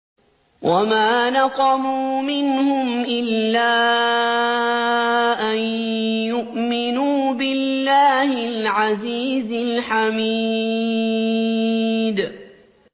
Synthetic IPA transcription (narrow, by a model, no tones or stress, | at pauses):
wʔamaːnɑqɑmuːmɪnhʊmʔɪlːaː | ʔan | jʊʔmɪnuːbɪlːaːhɪlʕaziːzɪlħamiː | d̪